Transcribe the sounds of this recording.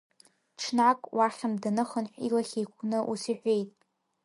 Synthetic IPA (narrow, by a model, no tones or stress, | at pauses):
ʈ͡ʂʰnakʼwʔaχʲamdanɨχənħʷᶣilaχʲejkʷʰnɨʔusiħʷᶣe̞jtʼ